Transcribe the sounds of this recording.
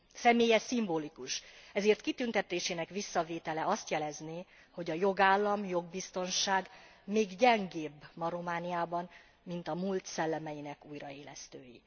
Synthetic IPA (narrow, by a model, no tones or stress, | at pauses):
sɛmeːjɛsimboːlikuʃɛzeːrt̪kit̪ynt̪ɛt̪eːʃeːnɛkʋisːɒveːt̪ɛlɛɒst̪jɛlɛzneː | ho̞ɟɒjo̞ɡaːlːɒmjo̞ɡbist̪o̞nʃaːɡmeːɡɟɛŋɡeːbmɒɾo̞maːnijaːbɒn | mint̪ɒmult̪sɛlːɛmɛjinɛkuːjrɒeːlɛst̪øːji